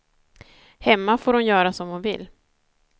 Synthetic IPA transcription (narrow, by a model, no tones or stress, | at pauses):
hɛmːafoːɾʊnjœːɾasɔmhʊnvɪ̰lː